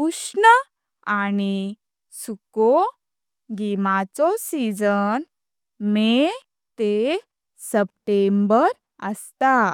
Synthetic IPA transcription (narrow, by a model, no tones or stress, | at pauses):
uʂɳə | ani | suko | ɡimat͡sɔsid͡zən | me | t̪e | səp̚ʈembəɾ | əst̪a